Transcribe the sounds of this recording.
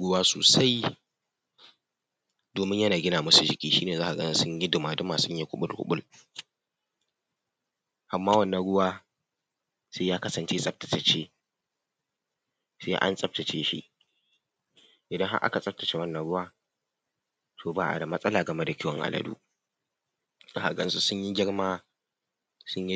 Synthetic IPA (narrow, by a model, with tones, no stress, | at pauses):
ɽʊ˦waː˦so̰ː˨sa˦j | doː˨mɪ˦ɲjɐ˦naː˨ɡʲɪ˦naː˨mɐ˦su˨d͡ʒɪ˨kʲʼiː˦ʃḭː˦neː˨zaː˦ʔa˨ɡɐ˦nɪ˦sʊ˦ɲji˦dʊ˨maː˨dʊ˦maː˨sʊ˦ɲje˦kʷʊ˦ɓʊ˦lkʊ̰˦ɓʊ˦l | ʔa˨mːaː˦wɐ˦nːɐ˦ɽʊ˦waː˦ | seː˦jaː˦kɐ˦sɐ˨nt͡ʃeː˦sʼɐ˦b̚tɐ̥˨tɐ˨t͡ʃeː˦ | seː˦ʔa̰˦nsʼɐ˦p̚tɐ˨t͡ʃeː˦ʃḭ˦ʔ | ʔɪ˨dɐ˦ŋɦa̰˦ʔa̰˦ka˨sʼɐ˦p̚tɐ˨t͡ʃe˦wɐ˦nːɐ˨ɽʊ˦waː˦ | tʰoː˨baː˦ʔa̰˨da˨mɐ˦sʼɐ˦laː˨ɡɐ˨me˦da˨kʲɪ˦wɔ˨ŋʔa̰˨lɐ̰˨dṵː˦ | zaː˦ha˨ɡɐ˦nsu˦sʊ˦ɲji˦ɡʲɪ˦ɽmaː˦ | sʊ˦ɲi˦